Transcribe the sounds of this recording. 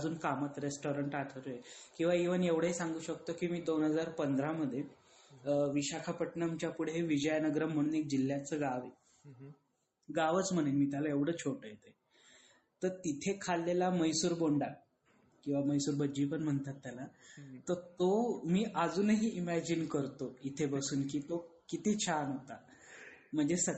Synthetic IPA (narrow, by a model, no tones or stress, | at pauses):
əd͡zuːnkamət̪ɾesʈoɾəɳʈaʈʰəɾojekĩw̃ʋaiʋənjeʋɽ̤əesaŋɡuːɕəkt̪okiːmiːd̪onɦəd͡zaɾpənd̪ɾaməd̪ʱːje | ʋiɕakʰapəʈnəmt͡ɕjapuɽ̤eʋid͡ʑəjnəɡɾəm̤əɽ̃uːnek̚d͡ʑilːjat͡səɡaʋe | ɡaʋət͡sm̤əɽ̃enmiːt̪jalaeʋɽ̤əːt͡ɕʰoʈəjet̪ə | t̪əɾt̪it̪ʰekʰalːelaməjsuːɾboɳɖa | kĩw̃ʋaməjsuːɾbəd͡ʑiːpəɳm̤əɳt̪at̪ːjalat̪əɾt̪omiːʔəd͡zuːnəɦiːimæd͡ʑinkəɾt̪oit̪ʰebəsuːnkiːt̪okit̪iːt͡ɕʰanɦot̪a | m̤əɳd͡zesə